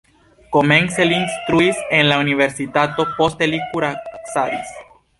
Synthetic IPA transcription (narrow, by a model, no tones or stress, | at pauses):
ko̞me̞nseliːnst̪ɾuise̞nlaunive̞ɾsit̪at̪o̞po̞st̪elikuɾasaɾis